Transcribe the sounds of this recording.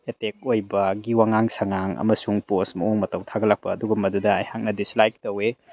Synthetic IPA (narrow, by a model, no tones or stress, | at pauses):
etek̚ojbɐɡiwaŋaŋsaŋaŋɐ̰mɐsuŋposmɐoŋmɐtɐwtʰaɡɐlak̚pɐːduɡumːɐdudɐajhak̚nɐdislajk̚tɐwe